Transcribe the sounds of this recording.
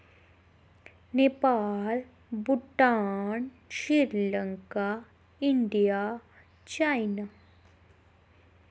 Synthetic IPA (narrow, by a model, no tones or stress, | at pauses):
nepaːl | buʈaːɳ | ʃiɾlɐŋka | ɪɳɖija | t͡ʃajna